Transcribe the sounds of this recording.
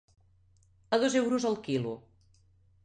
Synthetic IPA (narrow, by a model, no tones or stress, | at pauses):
əðɔzewɾuzəlˠkilu